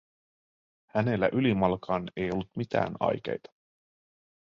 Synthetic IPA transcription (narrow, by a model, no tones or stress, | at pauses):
hæne̞lːæ̰ʔylimɑlɑkʰɑːne̞jo̞lːut̪mit̪æ̰ːnɑ̰jkḛjt̪ɑ̥